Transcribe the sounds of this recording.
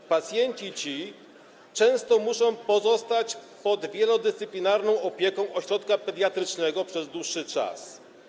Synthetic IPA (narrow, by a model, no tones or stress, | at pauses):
pat̪sʲjɛɲt͡ɕit͡ɕi | t͡ʂɛ̃w̃st̪ɔmuʂɔ̃w̃pɔzɔst̪at͡ɕpɔd̪vʲjɛlɔd̪ɘst̪sɘplʲinaɾnɔ̃w̃ɔpʲjɛkɔ̃w̃ɔɕɾɔt̪kapɛd̪ʲjat̪ɾɘt͡ʂnɛɡɔpʂɛzd̪wuʂːɘt͡ʂa̰s